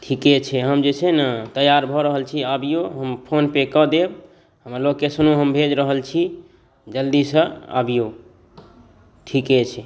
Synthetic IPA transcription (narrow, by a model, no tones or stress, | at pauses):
ʈʰiket͡ʃʰɛɦəmd͡ʒet͡ʃʰɛnət̪əjaɾbʱɔɾəɦəlt͡ʃʰiəbijoɦəmpʰonpekəd̪eb | ɦəmloɡkesunuɦəmbʱed͡ʒɾəɦəlt͡ʃʰi | d͡ʒəld̪isəə̰bijo | ʈʰiket͡ʃʰɛ